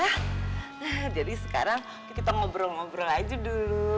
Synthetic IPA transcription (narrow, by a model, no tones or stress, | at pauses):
ah | əd͡ʒadisə̥ka̰ɾaŋ | k̪kit̪aŋobɾɔŋɔbɾɔad͡ʒudulu